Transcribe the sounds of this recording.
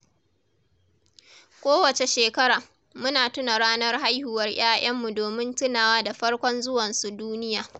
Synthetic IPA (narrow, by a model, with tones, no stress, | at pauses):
kʷoː˦wɐ˨t͡ʃe˨ʃeː˨kɐ˦ɾaː˨ | mʊ˦naː˨tʊ˦na˨ɽaː˦nɐ˦rɦa˦jhu˨wɐ˦rj̰aː˦ʔɐ˦mːu˨doː˨mɪ˦ntɪ˦naː˨waː˦da˨ɸɐ˦rkʷɔ˦nzʊ˦wɐ˨nsu˨duː˦nɪ˦jaː˨